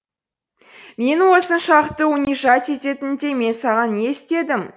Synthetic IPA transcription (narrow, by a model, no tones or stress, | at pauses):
me̞nwo̞sənʃɑqt̪əʊniʒɑt̪e̞t̪e̞t̪ɪnd̪e̞me̞nsɑʁɑne̞st̪e̞d̪ɪm